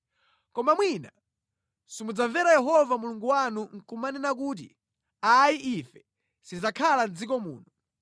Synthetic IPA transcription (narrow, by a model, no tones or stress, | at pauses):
kɔmamwina | sumud͡zaɱvɛɾajɛɦɔvamuluŋɡuwanuŋ̩kumaninak̬uːt̬ḭ | ajiʔifɛ̥ | sizakʰaland͡zikɔmṵːnɔ